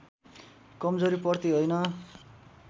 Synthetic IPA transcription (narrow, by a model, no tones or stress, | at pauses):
kʌmd͡zoɾipʌrt̪iɦojnʌ